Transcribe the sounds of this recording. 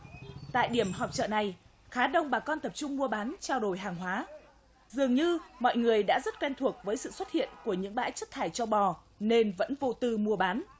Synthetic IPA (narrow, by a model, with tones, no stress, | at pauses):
t̪a̰ː˧˨jɗi˧˩əmɦɔ˨˩p̚t͡ɕə̰ː˧˨na˨˩j | xaː˨˦ɗə˧wŋ͡mɓaː˨˩kɔ˧nt̪ə˨˩p̚t͡ɕʊ˧ŋ͡mmu˧əɓaː˨˦nt͡ɕaː˧wɗo˨˩jɦaː˨˩ŋɦwaː˨˦ | zɨ˨˩əŋɲɨ˧mɔ̰˧˨jŋɨ˨˩əjɗa̰ː˧˥zə˦˥t̚kwɛ˧nt̪ʰu˨˩ək̚vəː˨˦jsɨ̰˧˨swə˦˥t̚hḭ˧˨ənku˧˩əɲɨ̰˧˥ŋɓa̰ː˧˥jt͡ɕə˦˥t̚t̪ʰaː˧˩jt͡ɕɔ˧ɓɔ˨˩ | ne˧nvə̰˧˥nvo˧t̪ɨ˧mu˧əɓaː˨˦n